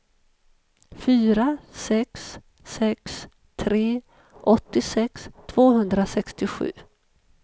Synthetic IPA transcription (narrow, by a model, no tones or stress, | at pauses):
fyːɾasɛksː | ɛks | t̪ʰɾeː | ʔɔt̪ːɪsɛkst̪ʰv̥oːɦɵnd̪ɾasɛkst̪ɪɧʉ̟̰ː